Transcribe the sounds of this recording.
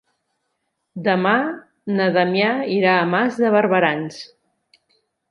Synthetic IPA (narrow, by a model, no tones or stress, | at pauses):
d̪əma | nəðəmjaiɾaːmazðəβəɾβəɾans